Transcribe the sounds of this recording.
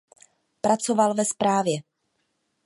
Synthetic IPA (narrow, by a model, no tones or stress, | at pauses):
pɾat͡so̞valvɛspɾaːvjɛ